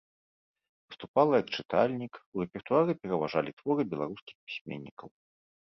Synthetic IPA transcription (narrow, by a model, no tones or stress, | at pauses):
vɨst̪upalˠɐjɐkt͡ʂɨt̪alʲnʲikurɛpʲɛrt̪uaɾɨpʲɛɾɐvaʐalʲit̪vɔɾɨbʲɛlˠaɾuskʲi̥xpʲi̥sʲmʲḛnʲːikɐw